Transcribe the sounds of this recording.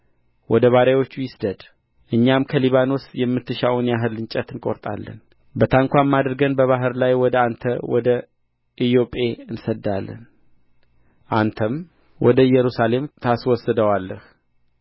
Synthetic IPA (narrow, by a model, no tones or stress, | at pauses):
wɔd̪əβaɾawo̞t͡ʃːujɪsd̪əd̪ | ʔɨɲːamkʰəliβano̞sjɛmːɨt̪ːɨʃawunjaɦɨlɨnt͡ʃʼət̪ɨnkʼoɾt̪ʼa̰lːə̰n | bət̪ʰaŋkʷamːad̪ɾɡənbəβaɦɨɾlajwɔd̪əant̪ʰəwɔ̰d̪ə | ʔij̪o̞pʼe̞ɨnsəd̪ːalːə̰n | ʔant̪ʰəm | wʔɔd̪əjɛɾusale̞mt̪ʰaswɔsːəd̪əwalːəh